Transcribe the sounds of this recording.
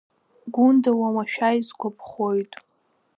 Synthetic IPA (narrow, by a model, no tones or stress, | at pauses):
ɡʷundawawaʃᶣajzɡʷapʰχojtʼ